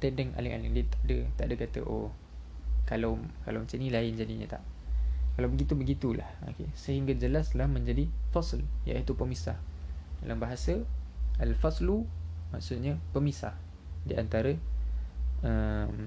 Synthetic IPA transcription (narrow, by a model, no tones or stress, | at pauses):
t̪ɛdɛŋʔa̰lɪŋʔa̰lɪŋdiət̪aʔdət̪aʔdəkat̪ə̰ʔo | kalawkalawmət͡ʃənilaɪnd͡ʒadiɲə̰t̪a̰ʔkalawbəɡit̪ubəɡit̪ula̰ho̰kesəɦiŋɡad͡ʒəlaslahmə̃ɲd͡ʒadifaslja̰ʔit̪upəmisa̰hda̰lʔambaɦasəəlfaslumaʔsut̪̚ɲəpəmisa̰h | diʔant̪aɾə | əm